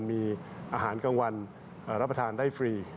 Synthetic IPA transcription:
nmiː˧ʔaː˧ɦaː˩˦nka˧ŋwa˧n | ʔːɾa˦˥pɾa˧t̪ʰaː˧ndaː˥˩jfɾiː˧

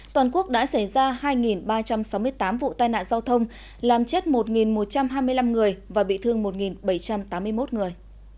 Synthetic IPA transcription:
t̪waː˨˩nku˦˥ək̚ɗa̰ː˧˥sa˧˩jzaː˧haː˧jŋi˨˩nɓaː˧t͡ɕa˧msa˨˦wmɨ˧əjt̪aː˨˦mvṵ˧˨t̪aː˧jna̰ː˧˨nzaː˧wt̪ʰə˧wŋ͡m | laː˨˩mt͡ɕe˦˥t̚mo˨˩t̚ŋi˨˩nmo˨˩t̚t͡ɕa˧mɦaː˧jmɨ˧əjla˧mŋɨ˨˩əjvaː˨˩ɓḭ˧˨t̪ʰɨ˧əŋmo˨˩t̚ŋi˨˩nɓə˧˩jt͡ɕa˧mt̪aː˨˦mːɨ˧əjmo˦˥t̚ŋɨ˨˩əj

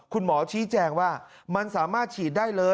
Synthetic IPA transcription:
kʰu˧nmɔː˩˦t͡ɕʰiː˦˥t͡ɕɛː˧ŋwaː˥˩ma˧nsaː˩˦maː˥˩t̪̚t͡ɕʰiː˨˩t̪̚daː˥˩jlɤː˧

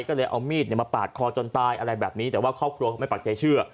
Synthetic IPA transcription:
jkɔː˥˩lɤː˧jʔa̰˧wmiː˥˩ni˩maː˧paː˨˩t̪̚kʰɔː˧t͡ɕo˧nt̪aː˧jʔa˧ɾa˧jbɛː˨˩p̚niː˦˥t̪ɛː˨˩waː˥˩kʰɾɔː˥˩p̚kʰɾu˧kma˥˩jpa˨˩t̚t͡ɕa˧jt͡ɕʰɯ˥˩ɐ

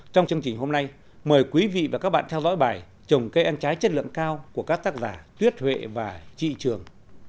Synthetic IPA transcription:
t͡ɕɔ˧wŋ͡mt͡ɕɨ˧əŋt͡ɕï˨˩ŋ̟ho˧mna˧j | məː˨˩jkwi˨˦vḭ˧˨vaː˨˩kaː˦˥k̚ɓa̰ː˧˨nt̪ʰɛ˧wzɔ̰˧˥jɓaː˨˩j | t͡ɕə˨˩wŋ͡mkə˧jʔa˧nt͡ɕaː˨˦jt͡ɕə˦˥t̚lɨ̰˧˨əŋkaː˧wku˧˩əkaː˦˥k̚t̪aː˦˥k̚zaː˧˩t̪wi˦˥ət̚hwḛ˧˨vaː˨˩t͡ɕḭ˧˨t͡ɕɨ˨˩əŋ

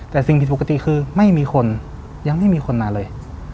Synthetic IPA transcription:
t̪ɛː˨˩si˨˩ŋpʰi˨˧t̪po˨˩ka˧t̪i˨˩kʰɯː˧ma˥˩jmiː˧xʰo˧n | ja˧ŋma˥˩jmiː˧kʰo˧nmaː˧˩lɤː˧j

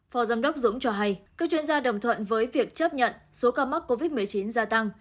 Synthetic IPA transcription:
fɔ˨˦zaː˧mɗə˦˥wk͡p̚zʊ̰˧˥ŋ͡mt͡ɕɔ˧ɦa˧jkaː˦˥k̚t͡ɕwi˧ənzaː˧ɗə˨˩wŋ͡mt̪ʰwə̰˧˨nvəː˨˦jvi˨˩ək̚t͡ɕə˦˥p̚ɲə̰˧˨nso˨˦kaː˧ma˦˥k̚ko˧vi˦˥t̚mɨ˨˩əjt͡ɕi˨˦nzaː˧t̪a˧ŋ

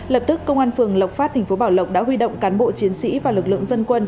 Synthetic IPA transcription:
lə˨˩p̚t̪ɨ˦˥kːə˧wŋ͡mʔaː˧nfɨ˨˩əŋlə˨˩w̚faː˦˥t̚t̪ʰa˨˩ŋ̟fo˨˦ɓaː˧˩wlə˨˩wk͡p̚ɗa̰ː˧˥ɦwi˧ɗo̰˧˨wŋ͡mkaː˨˦nɓo̰˧˨t͡ɕi˨˦ənsḭ˧˥vaː˨˩lɨ˨˩k̚lɨ̰˧˨ə˨ŋzə˧nkwə˧n

